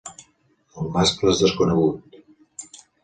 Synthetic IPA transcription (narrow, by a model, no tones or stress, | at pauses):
əmːaskləzðəskunəɣut̪